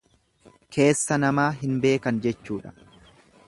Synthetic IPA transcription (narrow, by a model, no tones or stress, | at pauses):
kʰe̞ːsːɐnɐmaːɦɪnbe̞ːkɐnd͡ʒɛt͡ʃːuːᶑɐ̥